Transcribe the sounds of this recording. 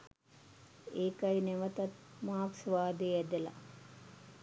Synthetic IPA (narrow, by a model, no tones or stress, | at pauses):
eːkajneʋət̪ɐt̪̚maːksʋaːd̪eæd̪ela̰